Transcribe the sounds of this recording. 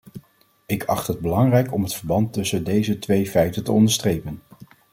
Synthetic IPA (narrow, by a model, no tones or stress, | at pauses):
ɪkʰɑ̰χtɦəd̚bəlɑŋrɛjkɔmɦətfəɹbɑntɵsəndejzətʋejfɛjtəntəɔndəɹstrejpən